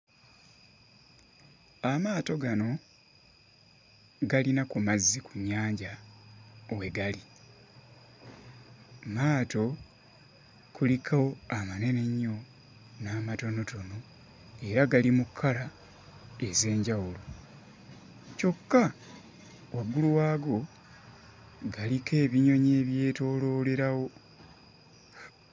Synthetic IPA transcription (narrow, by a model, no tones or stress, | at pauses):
amaːto̞ɡano̞ | ɡalinakumazːikuɲaːɲɟa | owe̞ɡali | maːto̞ | kulikʰawoamane̞ne̞ɲːo̞ | naːmato̞no̞to̞no̞ | e̞ɾaɡalimukʰːala | e̞ze̞ːɲɟawulo | co̞kːa | waɡuluwaːɡo̞ | ɡalike̞ːβiɲo̞ɲe̞ːβje̞ːto̞ːlo̞ːle̞ɾawo̞